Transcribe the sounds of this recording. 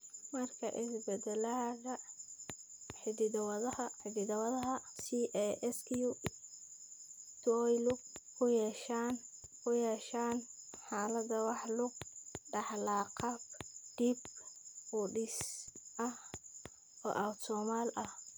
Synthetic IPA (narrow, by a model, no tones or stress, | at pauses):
mɐrkʰɐ̰ʔɪsbɛd̪ɛladɐ | ħɪd̪ɪd̪wɐðɐhɐħɪd̪ɪd̪ɐwɐðɐɦɐsiʔɛʔɛskʰju | t̪ʰɔjlʊkʰʊjɛʃaːnkʰʊjɛːʃaːnħaːlɐd̪ɐwɑħlʊɡ̚ɖɑħlaːqɑbɖ̥ib | ʊɖɪsʔɐh | ɔ̰ːʔawt̪sɔːmaːlɐh